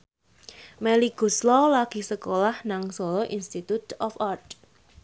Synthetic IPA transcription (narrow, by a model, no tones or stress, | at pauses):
mɛliɡ̥ṳslɔlaɡ̥i̤səkolahnaŋsolɔʔinst̪it̪ut̪ɔfart̪